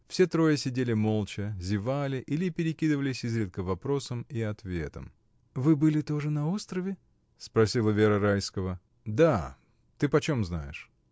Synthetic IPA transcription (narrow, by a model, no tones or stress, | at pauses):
fsʲe̞t̪ɾo̞jəsʲɪdʲelʲɪmo̞lˠt͡ɕəzʲɪvalʲɪʔilʲɪpʲɪɾʲɪkʲid̪ɨvəlʲɪsʲɪzɾʲit̪̚kəvɐpɾo̞səmiɐt̪vʲe̞̰t̪ə̰m | vɨbɨlʲɪt̪o̞ʐɨnɐo̞st̪ɾəvʲɪ | spɾɐsʲilˠəvʲeɾəɾajskəvə | d̪a | t̪ɨpɐt͡ɕo̞mznajɪ̰ʂ